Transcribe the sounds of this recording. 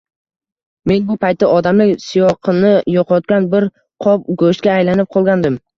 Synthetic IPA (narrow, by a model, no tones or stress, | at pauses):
me̞nbʊpʰajt̪̚ːaʔɒd̪amlɪkʲsijɒqʰɨnɪjɒqʰɒt̪̚kʲanbɪɾ | qʰɒp̚ɡoʃt̪̚kʲaːjlanɪp̚qʰɒlˠɡʲand̪ɪm